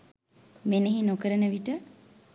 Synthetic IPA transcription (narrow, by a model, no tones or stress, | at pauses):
meneɦinokəɾənəʋiʈə